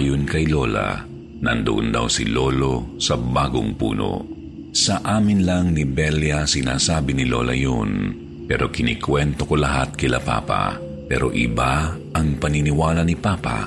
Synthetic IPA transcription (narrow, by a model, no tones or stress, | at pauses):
jonkɐjlo̞ːla̰ | nɐ̰nd̪ʊ̰ʔʊnd̪a̰wsɪlo̞lo̞sɐbaːɡo̰ŋpṵːno̰ | sɐʔaːmɪnlaŋnɪbɛljasɪna̰ːsaːbɪnɪlo̞̰lɐ̰jon | pɛːɾo̞kɪnikwɛnt̪oko̞lɐɦat̪̚kɪlɐpa̰ːpa̰ | pɛːɾo̞ʔɪbaʔɐŋpɐnɪnɪwaːlɐnɪpaːpa̰